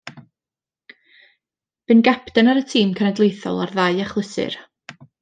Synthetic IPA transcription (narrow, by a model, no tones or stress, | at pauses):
b̥ɨnɡapʰdanaɾətʰiːmkʰənɛdlˠejθɔ̰lˠarðaɨaχlˠɪsɨ̰r